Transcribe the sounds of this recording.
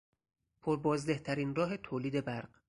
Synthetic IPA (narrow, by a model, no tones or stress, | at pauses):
pʰoɾbɒːzd̪eht̪ʰæɾiːnrɒːɦe̞t̪ʰoːliːd̪e̞bæɾɢ